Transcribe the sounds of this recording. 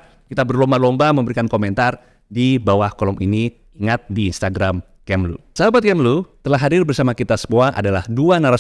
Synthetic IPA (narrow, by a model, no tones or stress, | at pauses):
kit̪abərlombalombaməmbəɾikankomɛnt̪ar | dibawahkolɔmini | iŋat̪̚diinst̪aɡɾam | kɛmlṵsəɦabat̪̚kɛmlut̪əlaɦːadirbərsamakit̪asə̥moaŋʔa̰dalahduanaɾa